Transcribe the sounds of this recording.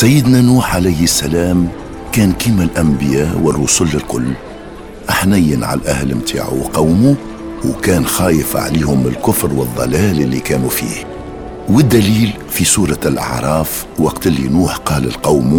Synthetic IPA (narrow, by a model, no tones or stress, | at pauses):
sæjːəd̪nænuːħʕalæjhsːælæːm | kæːnkimælʔæmbɪjæʔwərˤːʊsʊlːɪlkʊlː | ʔaħnæjːənʕa̰lʔæ̰hlmt̪ʰa̰ːʕṵwqɑwmu | wkæːnxɑːjəfʕa̰liːhʊmɪlkʊfɾwəðˤːɑ̰læːlɪlːikæːnufḭːh | wəd̪ːæliːl | fisuːɾˤɑlʔɑ̰ʕɾˤɑːf | wɑqt̪əlːḭnuːħqɑːlə̰lqɑwm